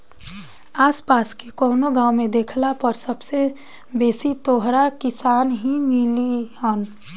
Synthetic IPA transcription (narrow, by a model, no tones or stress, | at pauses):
aːspaːskekoːnoɡãːwmẽd̪eːkʰlapəɾsəbse | beːsit̪oːɦɾakɪsaːnɦimilihən